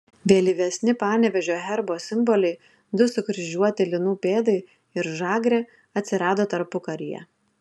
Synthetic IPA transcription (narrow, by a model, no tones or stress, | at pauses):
ʋʲeːlʲiʋʲɛsʲnʲɪpɑːnʲɛʋʲɛʒʲoːɦʲɛɾboːsʲɪmbɔlʲɛɪ | d̪ʊsʊkɾʲɪʒʲuɔt̪ʲɪlʲɪnuːpʲeːd̪ɐɪ | ɪɾʒɑːɡɾʲeː | ɐt̪ʲsʲɪɾɑːd̪oːt̪ɐɾpʊkɐɾʲɪjɛ̰